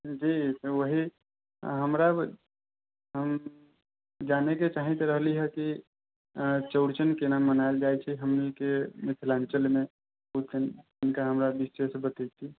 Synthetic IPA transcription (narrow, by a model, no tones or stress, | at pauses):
d͡ʒit̪oʋəɦi | ɦəmɾa | ɦəm | d͡ʒaneket͡ʃaɦĩt̪ɔɾəɦliɦɛki | t͡ʃəʊɽt͡ʃənkenamənaeld͡ʒajt͡ʃʰiɦəmnikemik̪ʰilant͡ʃəlme | ut̪enɪnkaɦəmɾabisesbət̪ət̪i